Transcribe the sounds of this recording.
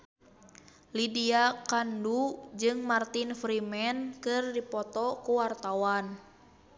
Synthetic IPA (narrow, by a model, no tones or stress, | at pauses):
lidiakandud͡ʒɨŋmart̪infɾimɛnkɨrdipɔt̪ɔkuwart̪awan